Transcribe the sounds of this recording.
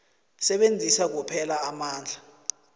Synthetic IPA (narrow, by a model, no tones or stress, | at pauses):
sɛɓend͡zʱisak̬upʰɛlaːmaːnd͡ɮʱa